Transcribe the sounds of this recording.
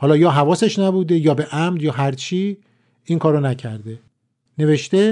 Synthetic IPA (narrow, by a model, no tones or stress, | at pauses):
hɒːlɒːjɒːɦævɒːseʃnæbuːd̪e̞jɒːbe̞ʔæmd̪jɒːɦæɾt͡ʃʰiː | iːŋkʰɒːɾonæcʰæɾd̪e̞ | ne̞veʃt̪e